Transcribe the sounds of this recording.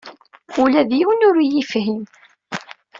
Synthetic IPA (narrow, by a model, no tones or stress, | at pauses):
ulæðjiwnʊɾjifhin